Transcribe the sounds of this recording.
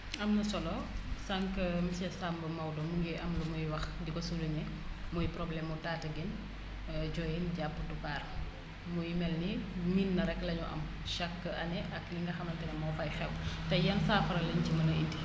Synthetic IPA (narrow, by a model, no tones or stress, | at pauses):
ɐmnɐsɔlɔsɐŋkəmisɛsambəmɐwdɔmuŋɡɛʔɐmlumujwɐxdikɔsuluɲɛ | mujpɾɔblɛmutaːtɐɡin | d͡ʒɔːjinɟapːədupaːr | mujimɛlniminːɐɾɛkːlɐɲuʔɐ̰m | ʃakːəɐnɛʔɐkliŋɡɐxɐmɐntɛnɛmɐwfɐjxɛwtɛjɐnsaːfɐɾɐlɐɲcimɐnɐinti